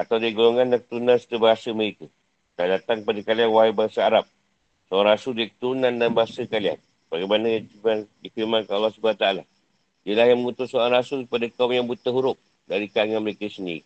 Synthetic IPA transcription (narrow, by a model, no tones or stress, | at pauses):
at̪awdiɡuloŋandakət̪ɾunanst̪əbaɦasəməɾikə | t̪aadat̪aŋkəpadəkalianwaɦabaasaːɾap̚ | soɾaŋrasʊldikə̥t̪uɾunandanbaɦasəkalia̰n | b̥aɡamanəjaimandifiɾmankanalːɑhsubaat̪ala | iəlahjaŋməŋut̪ʊt̪soɾaŋrasʊlkəpadəkaumjaŋbut̪əɦuɾʊp̚ | daɾikaŋanməlekəsəndḭɾi